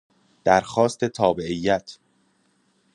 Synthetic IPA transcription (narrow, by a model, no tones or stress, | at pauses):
d̪̥æɾxɒːst̪ʰe̞t̪ʰɒːbeʔijːæt̪ʰ